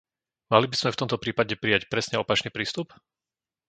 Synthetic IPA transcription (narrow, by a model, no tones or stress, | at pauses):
malibizmɛft̪ɔmt̪ɔpɾiːpaɟɛpɾijacpɾɛsɲɛɔpat͡ʃniːpɾiːst̪up